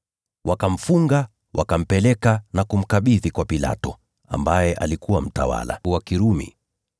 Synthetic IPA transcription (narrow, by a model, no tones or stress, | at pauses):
wʔakam̩fuŋɡa | wʔakam̩pɛlɛkanakum̩kaɓiðikwapila̰tɔ | a̰mbajɛʔalikuwam̩tawa̰la̰wakiɾumḭ